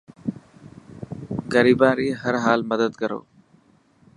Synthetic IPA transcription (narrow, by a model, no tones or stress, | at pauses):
ɡəɾiːbãːɾiːɦəɾɦaːlməd̪əd̪kəɾo̰ː